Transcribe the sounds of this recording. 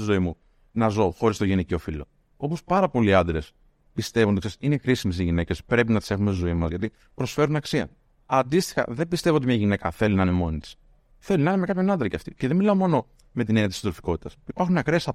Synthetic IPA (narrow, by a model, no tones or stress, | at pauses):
izo̞imu | nɐzo̞xoɾist̪oʝenico̞filo̞̰ | o̞po̞spɐɾɐpo̞liɐnd̪ɾe̞s | pist̪e̞vonoiksesine̞xɾisimes̬iʝine̞ce̞spɾe̞pinɐt̪i̥se̞xumesizo̞imɐzʝɐt̪i | pɾo̞sfe̞ɾunɐksiɐ̰ | ɐnd̪ist̪i̥xɐ̰ðe̞mbist̪e̞voot̪imɲɐʝine̞kɐθe̞lunɐine̞mo̞nit̪i̥s | θe̞lunɐinemekɐpçonɐnd̪ɾɐceɐft̪iceðemilɐomo̞no̞ | me̞t̪ineniɐt̪ist̪ofiko̞t̪i̥t̪ɐsipɐɾxuneɐkɾe̞sɐ